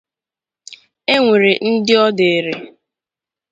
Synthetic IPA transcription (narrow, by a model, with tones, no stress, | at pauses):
e˦ŋʷe˨ɾe˨n̩˦dɪ˦ɔ˦de˨e˨ɾe˨